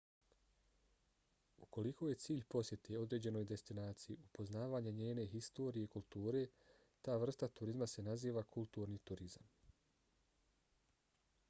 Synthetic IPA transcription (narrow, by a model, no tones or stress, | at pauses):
uko̞liko̞je̞t̪siːʎʲpo̞sje̞t̪ʰeo̞d̪ɾe̞ːd͡ʑe̞no̞jd̪e̞st̪inaːt̪sijiupo̞znaːʋaːɲaɲeːne̞ɦist̪o̞ːɾijeikulˠt̪uːɾe̞ː | t̪aːʋr̩st̪at̪uɾizmase̞naziːʋakʰulˠt̪uːɾniːt̪uɾizam